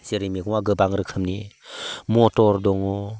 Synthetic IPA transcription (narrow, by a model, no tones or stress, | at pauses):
seɾimiɡɔŋaɡɯbaŋɾɯkʰɯmni | mɔtɔɾdɔŋɔ